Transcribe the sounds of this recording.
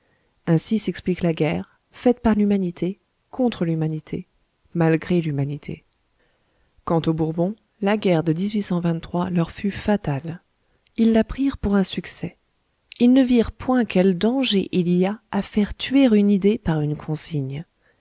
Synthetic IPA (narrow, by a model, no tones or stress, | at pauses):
ɛ̃sisɛkspliklaɡʲɛːʁ | fɛt̪paʁlymanit̪ʰe | kʰɔ̃t̪χəlymanit̪ʰe | malɡʁelymanit̪ʰḛ | kɑ̃t̪obuʁbɔ̃ | laɡʲɛʁd̪əd̪izɥisɑ̃vɛ̃t̪ːχwalœʁfyfat̪al | ilːapχiʁpuʁɛ̃syksɛ | ilnəviʁpwɛ̃kʲɛld̪ɑ̃ʒeʔilijaːfɛʁt̪ɥeʁynid̪epaʁynkʰɔ̃siɲ